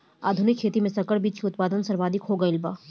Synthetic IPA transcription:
a̰ːd̪ʱʊnɪkʰːeːt̪imẽsɐkəɽbiːt͡ʃkiʊt̪̚paːd̪ənsɐɾʋaːd̪ʱɪkɦoːɡɐɪlbaː

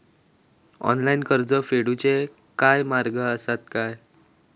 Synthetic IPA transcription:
ɔ̰nlainkəɾd͡zəfeɽut͡ɕe | kajmaɾɡəəsat̪̚kaj

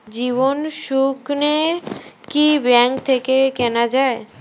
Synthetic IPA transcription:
d͡ʑiβonʃukneɾkibɛŋkt̪ʰekekɛnad͡ʑae

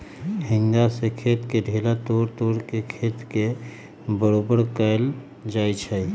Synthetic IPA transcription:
hĩŋɡasekʰet̪keɖʱelat̪oɾt̪oɾkekʰet̪ke | bəɾobəɾkəl | d͡ʒajt͡ʃʰɛ

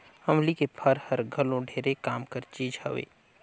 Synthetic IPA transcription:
hɐmlikepʰəɾhəɾɡʱəlõɖʱeːɾekaːmkəɾt͡ʃiːd͡ʒhɐ̰ʋḛː

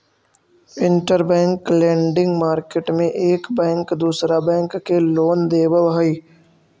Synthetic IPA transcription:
ɪ̃ɳʈəɾbɛ̃ːŋklɛ̃ːɳɖɪ̃ŋɡmaːɾkeʈmẽʔeːkbɛ̃ːŋkd̪uːsɾabɛ̃ːŋkːeloːnd̪eːbəʋɦəiː

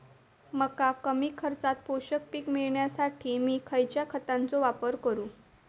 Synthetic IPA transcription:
məkakəmiːkʰəɾt͡sat̪̚poɕək̚pikmiɭɳjasaʈʰiːmiːkʰəjt͡ɕjakʰət̪ant͡soʋapəɾkəɾũː

